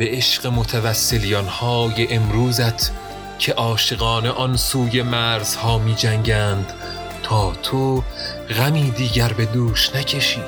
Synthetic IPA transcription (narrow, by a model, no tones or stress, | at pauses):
b̥e̞eʃɢemot̪ʰævæsːe̞lijɒnhɒːjeʔemɾuːzæt̪ʰ | cʰe̞ʔɒːʃe̞ɣɒːne̞ʔɒnsuːje̞mæːɾz̥hɒːmiːd͡ʒæŋɟæːnd̪̥ | t̪ʰɒːt̪ʰo | ɣæmiːd̪iːɟæɾbe̞d̪uːʃnæcʰe̞ʃi̥ː